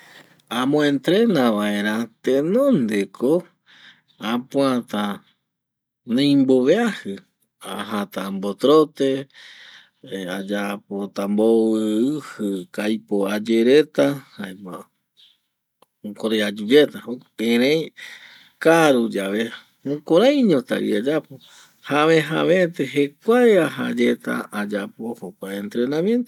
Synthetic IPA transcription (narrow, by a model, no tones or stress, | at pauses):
ãmõẽnt̪ɾenaʋaeɾ̃ãt̪enõnd̪ekʰo | apw̃ãt̪a | nẽjmboβeahɨ | aɦat̪ambot̪ɾot̪e | ad͡ʒapot̪ambowɨɨhɨkajpoad͡ʒeɾet̪ahaema | okoɾead͡ʒud͡ʒet̪aoẽɾẽj | kaɾud͡ʒaʋe | õkoɾãj̃ɲõt̪a̰ɾḭad͡ʒapo | haβẽɦa̰βẽt̪eɦekʷaeaɦa̰d͡ʒet̪a̰ad͡ʒapohokʷaẽnt̪ɾe̞nãmje̞nt̪o